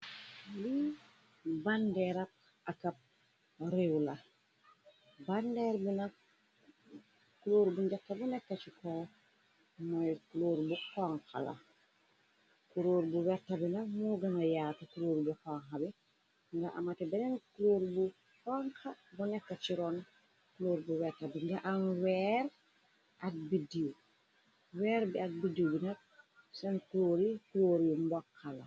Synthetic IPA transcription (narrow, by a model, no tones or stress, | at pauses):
li | bandɛɾap̚ | ʔakap̚ | ɾewla | bandɛɾbina | kuloːɾbuɲɟakːabunɛkːat͡ʃiko | mojkuloːɾbukoŋka̰la̰ | kuɾoːɾbuwɛɾtabinɐmuɡɐŋajaːtakuɾoːɾbukaŋxabi | ŋɡɐʔa̰mɐtɛbɛnɛnkuloːɾbu | kɔŋxɐbunɛkːɐt͡ʃiɾɔn | kuloːɾbuwɛɾtabiŋɡɐʔanwɛɾ | ʔɐk̚bidiw | wɛːɾbiɐk̚bidiwbinɐk̚ | sɛnkuloɾikuloːɾimbɔkʰːalɐ